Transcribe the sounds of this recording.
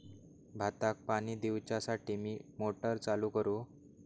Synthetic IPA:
bʱat̪ak̚paɽ̃iːd̪iwt͡ɕasaʈimiːmoʈəɾt͡saluːkəɾu

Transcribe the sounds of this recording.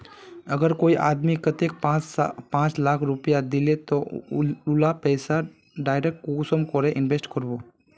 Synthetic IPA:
əɡəɾkoːiʔaːd̪mikət̪ek̚apãːt͡ʃlaːkʰɾʊpjad̪ɪlet̪oʊlapɛːsa | ɖaːjɾek̚ʈkosəmkoɾeʔɪnʋeːsʈkəɾboː

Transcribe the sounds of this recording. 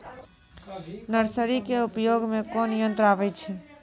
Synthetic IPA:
nəɾsəɾikeupjoɡmekonijənt̪ɾabɛjt͡ʃʰɛ

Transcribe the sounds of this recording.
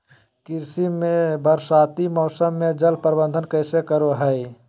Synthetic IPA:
kiɾsimebəɾsat̪imɔːsəmːed͡ʒəlpəɾbənd̪ʱənkəɪsekəɾoɦəj

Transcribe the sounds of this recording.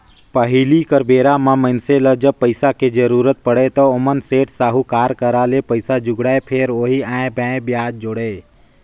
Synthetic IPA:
pəɦilikəɾbeːɾamãmənseləd͡ʒəb̚pəɪsaked͡ʒəɾuːɾət̪̚pəɽet̪ɔʊmənseːʈsaːɦukaːɾkəɾalepəɪsad͡ʒʊɡɽaepʰeːɾoːɦiãːẽbɛ̃ːbjaːd͡ʒ̚d͡ʒoɽeː

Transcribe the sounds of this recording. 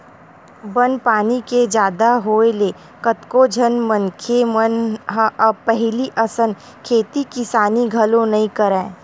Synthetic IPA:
bənpaːniked͡ʒjaːd̪aɦoːeleː | kət̪kod͡ʒʱənmə̃nkʰemənɦʔɐbpɛɦliʔɐsən | kʰeːt̪ikɪsaːniɡʱɐlõnɐɦĩkəɾẽː

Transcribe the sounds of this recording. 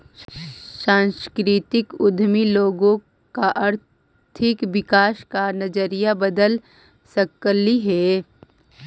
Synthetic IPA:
sãːnskɾit̪ɪkʊd̪ʱmiloːɡõ | kaʔɐɾ | t̪ʰɪkʋɪkaːʃkanɐd͡ʒəɾijabɐd̪əl | sɐkəliɦɛː

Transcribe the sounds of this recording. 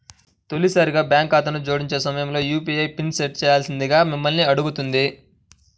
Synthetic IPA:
t̪o̞lisaːɾiɡaːbjaːŋkaːt̪ɐnud͡ʒo̞ːɽiɲt͡ʃe̞ːsɐmɐjɐmlo̞ːjuːpiɐjpinseʈt͡ʃɛːjaːlsind̪iɡaːmimːɐlniɐɽuɡut̪und̪i

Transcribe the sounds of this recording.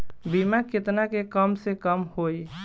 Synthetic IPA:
bimaket̪nakekəmsẽkəmhoj

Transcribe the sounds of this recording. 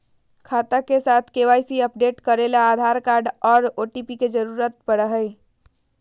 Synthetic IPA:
kʰat̪əkesat̪ʰkeʋajsiəp̚ɖeʈkəɾelaːd̪ʱaɾkaɾɖɔːɾoʈipiked͡ʒəɾuɾət̪̚pəɽəɦəj

